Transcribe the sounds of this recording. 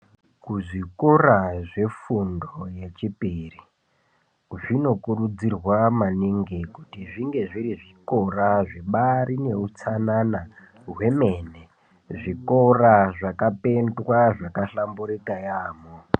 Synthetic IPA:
kuʐikoraʐe̞fundoje̞t͡ʃipiːri | ʐino̞kurud͡zirwamaniŋɡekutiʐiŋɡe̞ʐiɾiʐiko̞raʐeɓaɾine̞ut͡sanana | ɦwe̞me̞ne | ʐikoraʐakape̞ndwaʐakaɬambuɾikajaːmo

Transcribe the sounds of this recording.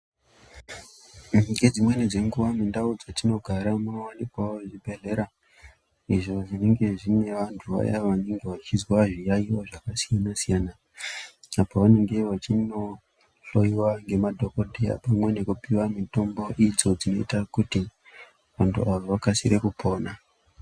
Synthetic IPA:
ɡe̞d͡zimwe̞nid͡ze̞ŋɡuʋamindaud͡zatino̞ɡʱaɾamnowanikwaoʐibʱe̞ɮe̞ɾa | iʐo̞ʐine̞ŋɡe̞ʐine̞ʋantʰuʋa̰ja̰ʋane̞ŋɡe̞ʋat͡ʃizwaʐijaiwoʐakasijanasijana | apaʋane̞ŋɡe̞ʋat͡ʃino̞ | ɬo̞jiwaŋɡe̞madʱokodʱea̰pamwe̞nekupiwamito̞mbo̞ʔid͡zo̞d͡zino̞̰ḭtakuti | ʋantʰuʔaʋaʋakasiɾe̞kupʰo̞ːna

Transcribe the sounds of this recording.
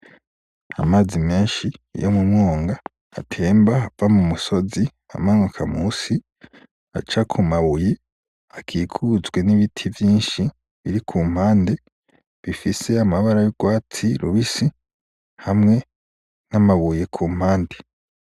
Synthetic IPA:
amaːzime̞ːnʃḭːjomumŋoːŋɡa̰ː | tʰe̞ːmbaavamumuso̞zi | a̰maŋwakʰamuːsi | a̰t͡ʃakʰumaβuje | akʰiːkʰuzɡwe̞niβitʰivjiːnʃi | βiɾikʰuːm̥haːnde̞ | βifise̞amaβaɾajoɡ̥waːt͡siɾṵβisi | hamŋe̞ | namaβuje̞kʰuːm̥haːnde̞

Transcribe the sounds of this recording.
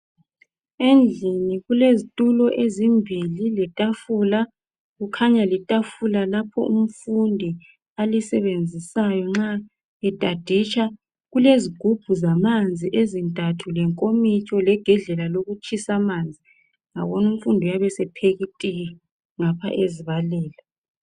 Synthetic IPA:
end͡ɮʱiniɣulezitʼulɔʔezimbʱililɛtʼafula | ɣukʰaɲalitʼafulalapʰɔ̰ʔum̩fundʱi | alisɛβend͡zʱisajɔŋ͡ǁa | ɛtʼad̥ʱit͡ʃʰʼa | ɣuleziɡ̥ʱub̥ʱuzamand͡zʱiʔezintʼatʰulɛŋkʼomit͡ʃʼɔlɛɡ̥ʱɛɮɛlaloɣut͡ʃʰʼisamaːnd͡zʱi | ŋa̰βɔnum̩fundʱujaβɛsɛpʰeɣitʼi | ŋapʰa̰ʔeziβalɛːla

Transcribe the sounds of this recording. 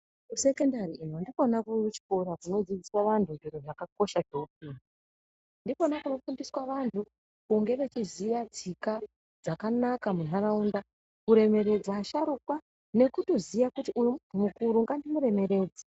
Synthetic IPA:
use̞ke̞ndariːnondiko̞nakut͡ʃi̥koɾakuno̞d͡zid͡ziswaʋantʰunʐiroʐakako̞ʃadʱop̚ini | ndipo̞nakuno̞fundiswaʋantʰu | kuŋɡe̞ʋe̞t͡ʃizijad͡zika | d͡zakanakamunaɾaunda | kuɾe̞me̞ɾe̞d͡zaːʃaɾukwa | ne̞kuto̞zijakutiʔumukuɾuŋɡandimuɾe̞me̞ɾe̞ːd͡za

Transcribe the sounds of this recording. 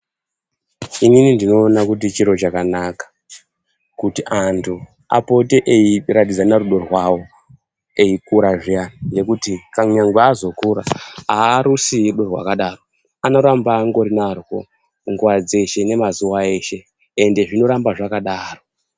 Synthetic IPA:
ininindino̞ːnakut̬it͡ʃiɾo̞t͡ʃakanakḁ | kutiʔantʰu | a̰po̞teʔeiratid͡zanaɾuɗo̞rwawo̞ | e̞ikuɾaʐijannje̞kutikamɲaŋɡweazo̞kuɾaaːɾusiuɗo̞rwa̰kaɗaro̞ | ano̞ɾambaŋɡo̞ɾinarwo̞̰ | ŋɡuwad͡ze̞ʃe̞ne̞mazuwae̞ːʃe̞ː | nde̞ʐino̞ɾambaʐakaɗaːro̞

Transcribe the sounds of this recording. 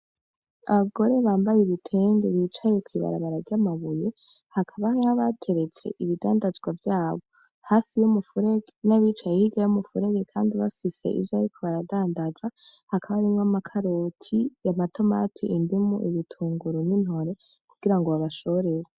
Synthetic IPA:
a̰βaɡo̞ɾe̞βaːmbajeβitʰeːŋdeβit͡ʃaje̞kwiːβa̰ɾa̰βaɾaɾɟamaβuje | hakʰaβahhaβatʰe̞ɾe̞t͡se̞̰ʔiβida̰ːndazɡwavjaːβo̞ | haːfijomufuɾeɡenaβiːt͡ʃajehiɡajumufuɾe̞ɡekʰaːndiβa̰fise̞̰ʔḭvjoaɾikʰo̞βaɾadaːndaz̥a | hakʰaβaɾimŋamakʰaɾotʰijamato̞ma̰tʰiʔindimuʔiβitʰuːŋɡuɾonin̥ho̞ɾe̞ | kuɡ̥iɾaŋɡoβaβaʃo̞ɾe̞ɾe

